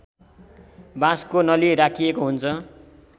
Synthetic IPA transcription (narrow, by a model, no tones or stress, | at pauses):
bãskonʌliɾakʰijekoɦunt͡sʰʌ